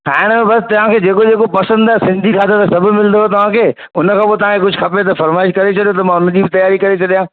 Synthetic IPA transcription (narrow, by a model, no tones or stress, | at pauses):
ɦãːɦɪɽ̃ẽbɐst̪ɐʋ̤ãkʰeːd͡ʑeːkod͡ʑeːkopɐsə̃nd̪aɛsɪ̃nd̪ʱikʰaːt̪ʰot̪asɐbʱʊmɪlnd̪oɦet̪ɐʋ̤ãkʰeː | ʊnə̆kʰãːpot̪̬ɐʋ̤ãkʰekʊd͡ʑʱʊxʰɐpet̪̬ɐfɐɾmaːɪʃkɐɾet͡ɕʰɐɗijõt̪ɐmãːʊnəd͡ʑiːbɪt̪ɐjaːɾikɐɾet͡ɕʰɐɗijãː